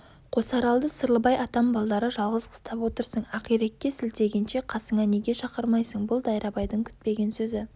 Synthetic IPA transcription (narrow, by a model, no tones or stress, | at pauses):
qʰo̞sɑɾɑlˠd̪əsəɾlˠəbɑjɑt̪ɑmbɑlˠd̪ɑɾəʒɑlˠʁəzqʰə̥st̪ɑpwo̞t̪əɾsəɴɑqijɾekʲːe̞sɪlt̪e̞ɡʲenʃe̞qʰɑsəɴɑne̞ɡʲe̞ʃɑqəɾmɑjsəɴbʊlˠd̪ɑjɾʔɑbɑjd̪əŋkʲʰʏ̥t̪̚pe̞ɡʲe̞nsɵzɪ